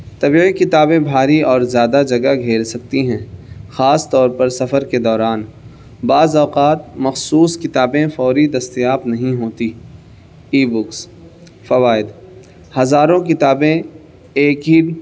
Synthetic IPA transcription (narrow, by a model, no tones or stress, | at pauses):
t̪ɐbiːikɪt̪aːbẽbʱaːɾiɔːɾzjaːd̪ad͡ʒɐɡaɡʱeːɾsɐk̚t̪iɦɛ̃ːxaːst̪ɔːɾpɐɾsɐfəɾked̪ɔːɾaːn | baːzɔːqaːt̪̚mɐxsuːskɪt̪aːbẽfɔːɾid̪ɐst̪ijaːpnɐɦĩɦoːt̪i | iːbʊks | fɐʋaːɪd̪ | hɐzaːɾõk̬ɪt̪aːbẽ | eːkɦi